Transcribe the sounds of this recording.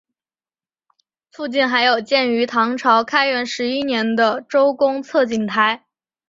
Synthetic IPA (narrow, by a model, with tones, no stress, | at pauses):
fu˥˧t͡ɕi˥˩nxa˧˥ɪjo˨˩ʊt͡ɕjɛ˥˩ny˧˥t̪ʰɑ˧˥ŋʈ͡ʂʰɑ˧˥ʊkʰa˥ɪɥɛ˧˥nʂɻ̩˧˥i˥njɛ˧˥nd̪ə˧ʈ͡ʂo˥ʊkʊ˥ŋt͡sʰɤ˥˩t͡ɕi˨˩ŋt̪ʰa˧˥ɪ